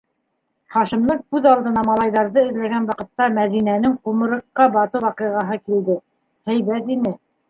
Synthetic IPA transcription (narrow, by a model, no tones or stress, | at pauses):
χɑʃɤ̆mnɤɴkʉðɑlˠd̪ɤ̆nɑmɑlˠɑjðɑɾðɤɘ̆ðlæɡænwɑqɤ̆t̪ːɑmæðinænɘŋqumɤ̆ɾɤ̆qːɑbɑt̪ɤwɑqiʁɑɦɤkild̪ɘ | hæjβæt̪inɘ